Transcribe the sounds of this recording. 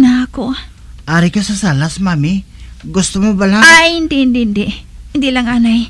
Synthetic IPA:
naɐko | ʔaːɾɪkasɐsalasmaːmi | ɡʊst̪omobɐlaajɪnd̪ɛhɪnd̪ɛhɪnd̪ɛhɪnd̪ilɐŋʔaːnaj

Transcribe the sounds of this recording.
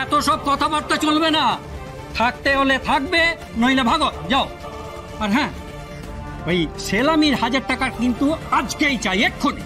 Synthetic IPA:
ɛt̪oʃɔb̚kɔt̪ʰabaɾt̪at͡ɕolbena | t̪ʰak̚t̪eɦolet̪ʰak̚be | nojlebʱaɡot̪d͡ʑao | aɾɦɛ̃ | ejʃelamiɾhad͡ʑaɾʈakaɾkint̪uad͡ʑkejt͡ɕajekʰːoni

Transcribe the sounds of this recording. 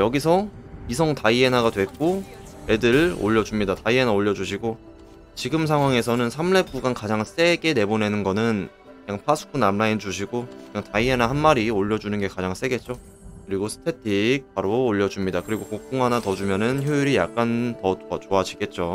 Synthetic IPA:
jʌɡis̬ʰʌisʰʌŋtaie̞naɡadwe̞k͈o | e̞dɯɾo̰ʎːʌd͡ʑumɲidataie̞naoʎːʌd͡ʑuɕ̬ʰiɡo | t͡ɕiɡɯms̬ʰaŋɦwaŋe̞sʰʌnɯnsʰamɭe̞p̚k͈uɡankad͡ʑaŋs͈e̞ɡe̞ne̞bone̞nɯnɡʌnɯn | kɯɲaŋpʰasʰu̥k̚ʰunamnaind͡ʑuɕ̬ʰiɡokkɯɲaŋtaie̞nahanmaɾioʎːʌd͡ʑunɯnɡe̞kad͡ʑaŋs͈e̞ɡe̞t̚t͡ɕ͈o | kɯɾiɡosʰɯ̥tʰe̞tʰik̚paɾoːʎːʌd͡ʑumɲidakɯɾiɡokok̚k͈oŋɦanatʌd͡ʑumjʌnɯnçjoiɾijak̚k͈antʌat͡ɕoad͡ʑʰiɡe̞t̚t͡ɕ͈o

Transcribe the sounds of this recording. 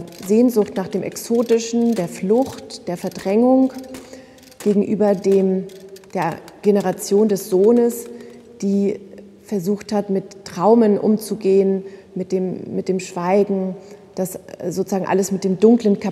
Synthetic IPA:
zeːnzʊxtnaːχd̥eːmʔɛksoːtɪʃn̩deːɐflʊçtd̥eːɐfɛɐdʁɛŋʊŋ | ɡ̥eːɡŋ̩ʔy̰ːbɐdeːmd̥eːɐɡ̥enəʁ̞at͡sjoːndɛsz̥oːnəs | d̥iː | fɛɐzuːxthatmɪtːʁ̥aʊmənʔʊ̰mt͡suɡeːən | mɪt̚d̥eːmːɪt̚d̥eːmʃv̥aɪɡŋ̩d̥aszoːt͡suz̥aːɡŋ̩ʔa̰ləsmɪt̚d̥eːmdʊŋklənkʰa

